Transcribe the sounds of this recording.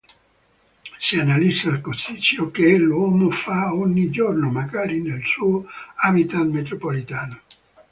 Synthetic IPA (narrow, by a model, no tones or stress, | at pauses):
sianalisalkosit͡ʃːokelwɔːmofaoɲːid͡ʒornomaɡaːɾinelsuːoabit̪anmet̪ɾopolit̪aːno